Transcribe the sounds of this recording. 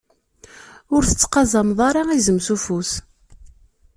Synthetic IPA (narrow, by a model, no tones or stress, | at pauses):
ʊɾθə̥t͡sːqɑzˤɑmðˤɑɾˤɑizəmsufus